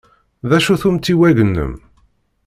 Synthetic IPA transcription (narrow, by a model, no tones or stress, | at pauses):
ðæʃuθumt̪ːiwæʝənːə̰m